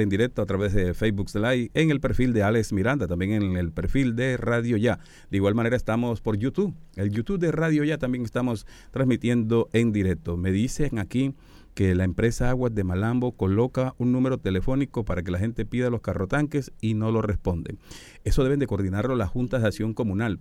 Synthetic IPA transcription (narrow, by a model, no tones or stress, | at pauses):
end̪iɾe̞k̚t̪oat̪ɾaβe̞zðe̞fejbukslajeŋe̞lpe̞ɾfild̪eale̞ksmiɾand̪at̪ambje̞ŋeŋelpe̞ɾfild̪e̞raðjo̞ʝa | d̪̥eiɣwalmane̞ɾaest̪amo̞spo̞ɾʝut̪uβe̞ljut̪uβd̪e̞raðjoʝat̪ambje̞ŋest̪amo̞s | t̪ɾazmit̪je̞nd̪o̞ʔe̞nd̪iɾe̞k̚t̪o̞me̞ðiseŋaki | ke̞laempɾe̞saaɣwad̪e̞malambo̞ko̞lo̞kaunnũme̞ɾo̞t̪e̞le̞fo̞niko̞paɾak̬e̞laxe̞nt̪e̞piðalo̞skaro̞t̪aŋke̞sino̞lo̞re̞spo̞nd̪ḛŋ | e̞soe̞βe̞nd̪e̞koɾðinaɾlolaxunt̪aðeasjo̞ŋko̞mũnal